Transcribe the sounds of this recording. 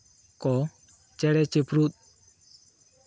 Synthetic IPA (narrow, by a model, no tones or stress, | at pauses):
kɔ | t͡ʃɛɽɛt͡ʃepɾut̪̚